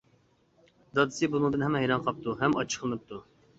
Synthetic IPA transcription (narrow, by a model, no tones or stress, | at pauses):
d̪ɑd̪ɨsɨbunɨŋd̪ɨnhɛmɛɦɛjɾɑnqʰɑp̚t̪uɦɛmɑt͡ʃʰːə̥qʰlˠɨnɨp̚t̪ʰu